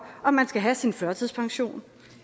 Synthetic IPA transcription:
ɒ̽mːænsɡ̥æɦæsinfɶɐt͡sʰiðˠspʰɑ̈ŋɕo̝̰ːn

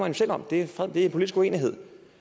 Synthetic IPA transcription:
mænɕel̰ɒ̽md̥e̝fd̥e̝æɐenpolid̥isɡ̥ue̝ːniɦe̝ð̰ˠ

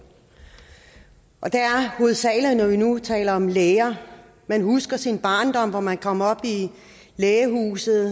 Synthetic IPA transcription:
ʔɒ̽d̥eæɐhoð̩ˠsɛ̰ːl̩nɒʋinut͡sʰɛ̰ːlɐɒ̽mleːɐ | mænɦusɡ̥ɐsinb̥ɑ̈ːnd̥ɒ̽m̰ʋɒmænkʰɒ̽m̰ɐɒ̽b̥i | leːəɦṵːsð̩ˠ

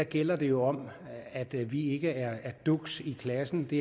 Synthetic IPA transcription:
æɡ̥el̰ɐd̥e̝jo̝ɒ̽m | æd̥ʋie̝ɡ̥əæɐæɐd̥uɡ̥sikʰlæsn̩d̥e̝

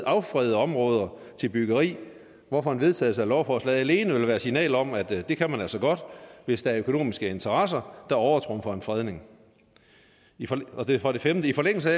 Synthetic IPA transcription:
ɑ̈ʊfʁɛðˠəɒ̽mʁɔ̽ːð̞ˠɐt͡sʰe̝lb̥yɡ̥ɐʁḭː | ʋɒfɒ̽ænʋe̝ðˠt͡sʰɛ̰ːð̩ˠsɑ̈lɒʊfɒslɛðˠæle̝ːnəʋe̝lʋæːɐsinɛ̰ːlɒ̽m̰æd̥d̥e̝kʰæmænælsɒ̽ɡ̥ɒ̽d̥ʋe̝sd̥ɑ̈æɐøkʰo̝no̝̰ːmisɡ̥əe̝nt͡sʰɐʁɑs̬ɐd̥ɑ̈ɒʊɐt͡sʰʁɔ̽mfɒ̽e̝nfʁɛð̞ˠne̝ŋ | ɒd̥efɒd̥e̝femdəifɒ̽leŋ̰l̩s̬əæ

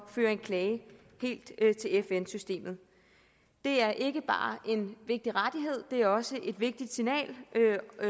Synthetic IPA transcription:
fø̰ːɐe̝nkʰlɛːɪə | he̝̰ːld̥t͡sʰe̝lefensysd̥e̝̰ːmð̞̩ˠ | d̥e̝æɐʔe̝ɡ̥əb̥ɑ̰̈ːʔe̝nʋe̝ɡ̥̚d̥iʁad̥iɦe̝ð̞̰ˠd̥e̝æɐɒ̽səʔe̝d̥ʋe̝ɡ̥̚d̥id̥sinɛ̰ːlʔø

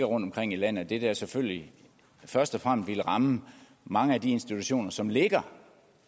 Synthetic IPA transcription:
ɡɐʁɔ̽nd̥ɒmkʰʁeŋ̰ilæn̰ð̩ˠɒd̥e̝d̥æsefølli | fɶɐsd̥ɒ̽fʁam̰sd̥ʋiləʁɑ̈mə | mɑ̈ŋəæd̥ie̝nsd̥it͡sʰuɕo̝̰ːnɐsɒ̽mle̝ɡ̥ɐ

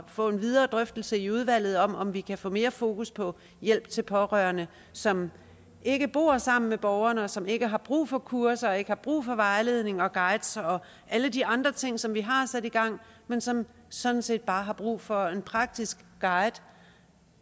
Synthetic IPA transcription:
fɔ̰̽e̝nʋið̞ˠɐːd̥ʁœfd̥l̩səiuð̞ˠʋæl̰ð̩ˠɒ̽mɒ̽mʋikʰæfɔ̰̽ːme̝ːɐfo̝ːkʰuspʰɒ̽ | jel̰b̥̚t͡sʰe̝lpʰɒ̽ʁœːɐnə | sɒ̽m | ʔe̝ɡ̥əb̥o̝̰ɐsɑ̈m̰n̩meb̥ɒʊɐnəɒ̽sɒ̽me̝ɡ̥əɦɑ̈b̥ʁṵːfɒ̽kʰuɐsɐɒ̽e̝ɡ̥əhɑ̈b̥ʁṵːfɒ̽ʋɑ̈ɪle̝ð̞̰ˠne̝ŋɒ̽ɡ̥ɑ̈ɪd̥sɒ̽ | ʔæləd̥iɑ̈nd̥ʁɐt͡sʰe̝ŋ̰sɒ̽mʋiɦɑ̈sæd̥iɡ̥ɑ̈ŋ̰ | mensɒ̽m | sɒ̽d̥n̩se̝̰ːd̥̚b̥ɑ̈ːɦɑ̈b̥ʁṵːfɒ̽e̝npʰʁɑ̈ɡ̥̚d̥isɡ̥ːɑ̈ɪd̥

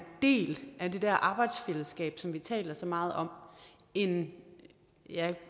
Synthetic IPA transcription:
d̥e̝̰ːlʔæd̥e̝d̥æɐ̰ʔɑ̈ːb̥ɑ̈ɪd̥sfeləsɡ̥ɛ̰ːb̥sɒ̽mʋit͡sʰɛ̰ːlɐsɒ̽mɑ̈ːð̞̩ˠɒ̽m̰ | e̝n | jæ

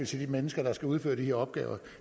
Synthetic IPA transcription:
it͡sʰe̝d̥imenəsɡ̥ɐd̥ɑ̈sɡ̥æuð̞ˠfø̰ːɐd̥iheɐɒ̽b̥̚ɡ̥ɛ̰ːʊɐ

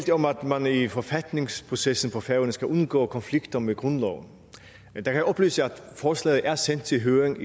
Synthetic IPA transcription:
ld̥ɒ̽mæd̥mænifɒfæd̥ne̝ŋspʰʁo̝sesn̩pʰɒ̽fæʊənəsɡ̥æʔonɡ̥ɔ̰ːkʰɒ̽nfliɡ̥d̥ɐmeɡ̥ʁɔnlɒ̰ʊn | d̥ɑkʰæjæɒ̽b̥lyːsəæd̥fɒːslɛ̰ːð̩ˠʔæɐsen̰d̥̚t͡sʰe̝lɦøːʁeŋ

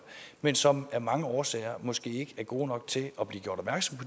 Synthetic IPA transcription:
mensɒ̽mæɐmɑ̈ŋəɒːsɛ̰ːɐmɒ̽sɡ̥e̝̰ːe̝ɡ̥əæɐɡ̥o̝̰ːnɒ̽ɡ̥t͡sʰe̝lɒ̽b̥liːɡ̥jo̝ɐɾ̥ɒ̽bmæɐɡ̥sɒ̽mpʰɒ̽

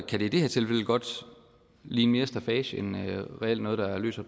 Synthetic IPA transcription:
kʰæɾ̥eid̥e̝heɐt͡sʰe̝lfel̰əɡ̥ɒ̽d̥ | liːnme̝ːɐsd̥æfɛːɕenʁɛel̰d̥nɔ̽ːð̞̩ˠd̥ɑ̈æɐlø̰ːsɐ

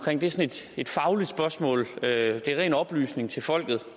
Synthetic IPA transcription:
kʰʁeŋ̰d̥eæsne̝d̥e̝d̥fɑ̈ʊlid̥sb̥ɶɐsmɔ̰̽ːlød̥e̝æʁɛ̰ːnɒ̽b̥ly̰ːsne̝ŋt͡sʰe̝lfɒ̽l̰ɡ̥ð̩ˠ

